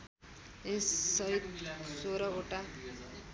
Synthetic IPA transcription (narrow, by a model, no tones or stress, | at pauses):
essʌɦit̪soɾʌoʈa